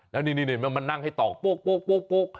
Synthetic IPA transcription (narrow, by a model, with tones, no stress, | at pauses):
lɛ˦˥wni˧˩niː˧˩niː˧˩m˧ma˧nːa˥˩ŋha˥˩jt̪ɔː˨˩k̚k͡po˦˥˩k̚k͡poː˥˩k̚k͡poː˥˩k̚k͡poː˦˥˩k̚